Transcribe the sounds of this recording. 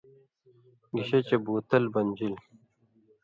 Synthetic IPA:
ɡiɕet͡ɕebuːt̪ɐlbɐnʲd͡ʑil

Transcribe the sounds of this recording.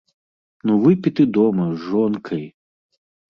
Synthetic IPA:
nuvɨpʲit̪ɨd̪ɔmɐzʐɔnkʰɐj

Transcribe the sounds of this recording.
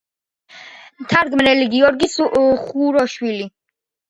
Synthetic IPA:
mt̪ʰaɾɡmnɛliɡiɔɾɡisχuɾɔʃwili

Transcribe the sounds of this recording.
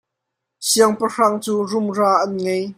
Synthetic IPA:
siəŋpəraːŋt͡suːrʊmraːʔɐnŋɛj

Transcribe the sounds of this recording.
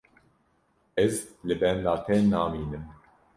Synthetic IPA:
ɛzlɪbɛːnlaːt̪ʰɛːnːaːmiːnɨm

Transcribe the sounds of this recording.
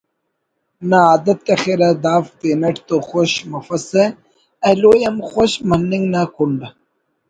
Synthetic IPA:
naaːd̪ɐt̪̚kɐxeɾad̪aːft̪enɐʈt̪oxoɕmɐfɐse | ɐlojɐmxoɕmɐnːiŋɡnakuɳɖa

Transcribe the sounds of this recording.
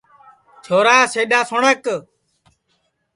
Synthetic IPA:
t͡ʃʰoːɾaːseːɗaːsʊɳək

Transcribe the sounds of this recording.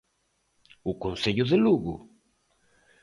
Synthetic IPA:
ukonseʎʊðeluɣṵ

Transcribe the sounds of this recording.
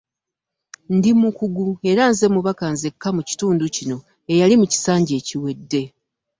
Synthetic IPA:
ndimukuɡue̞ɾanze̞muβakanze̞kːamuci̥tuːnducino̞ | e̞jalimuci̥saːɲɟe̞ːciwe̞dːe̞

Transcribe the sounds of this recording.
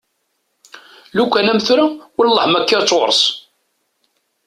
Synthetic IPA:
lukʷːænæmθɾæwəllːˤəħmækːɪɾt͡sːoɾˤs

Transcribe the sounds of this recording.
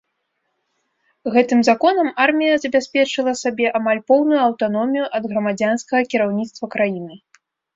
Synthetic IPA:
ɣɛt̪ɨmzakɔnɐmarmʲijɐzɐbʲasʲpʲɛt͡ʂɨlˠɐsabʲɛʔamalʲpɔwnujuɐwt̪anɔmʲijuʔɐd̪ɣɾɐmad͡zʲanskɐɣɐkʲiɾawnʲit̪st̪vɐkɾajinɨ

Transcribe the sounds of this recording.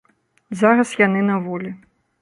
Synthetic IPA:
zaɾɐsjanɨnavɔlʲi

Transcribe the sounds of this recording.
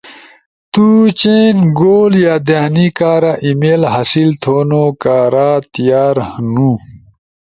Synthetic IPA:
t̪ut͡ɕenɡoːljaːd̪eɦnikaːɾaʔimelɦɐsilt̪ʰoːnoːkaːɾaːt̪ijaːɾnũ

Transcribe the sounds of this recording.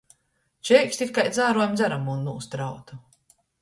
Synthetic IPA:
t͡ʃɛjkst̪ikːajd̪zaːɾuɔjmzaɾamunːuːst̪ɾawt̪u

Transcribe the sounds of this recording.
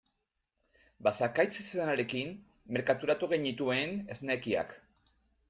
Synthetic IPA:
basakajt͡seseðanaɾe̞kimː | e̞ɾkat̪uɾat̪uɣ̞eɲit̪ue̞ne̞zne̞kia̰k

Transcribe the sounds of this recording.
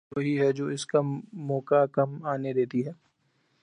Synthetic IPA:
oɦiɦɛd͡ʒoːɪskamɔːkakɐmaːned̪eːt̪iɦɛː

